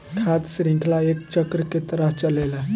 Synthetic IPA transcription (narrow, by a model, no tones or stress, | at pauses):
ʈʰat̪sɾĩŋkʰlaekt͡ʃəkɾəket̪əɾəft͡ʃəlela